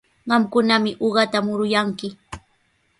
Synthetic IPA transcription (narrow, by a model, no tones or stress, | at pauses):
ɢɑmkʊnamɪʔoɢɑt̪amʊɾʊjaŋkɪ